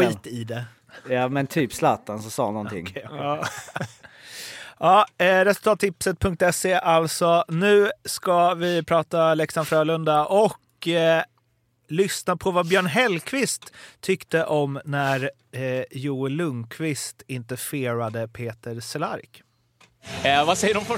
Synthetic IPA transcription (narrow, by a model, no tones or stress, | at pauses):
ɧiːt̪ɪd̪ɛ | jɑːmɛnt̪ʰyːpslat̪ːansɔsɑ̰ːnɔnt̪ʰɪ̰ŋː | ʔɑːɾɛsɵlt̪ɑːt̪ːɪpsət̪̚pʰɵŋk̚t̪ɛseːʔalsɔnʉ̟ːskavɪpʰɾɑːt̪alɛksanfɾœːlɵnd̪aʔɔk | lʏsnapʰɔvabjœːɳɦɛlkʰvɪst̪ʰːʏkt̪əʔɔmnæɾ | juːɪlɵŋkʰvɪst̪ɪnt̪əfeːɾad̪əpʰeːt̪əɾsɛla̰ɾk | vasɛjəɖɔf